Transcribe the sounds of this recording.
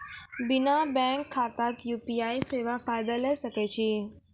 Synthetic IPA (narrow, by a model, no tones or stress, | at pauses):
bɪnabɛ̃ŋkʰːaːt̪akjuːpiaːiseːʋafaːjd̪əlɛsəket͡ɕʰiː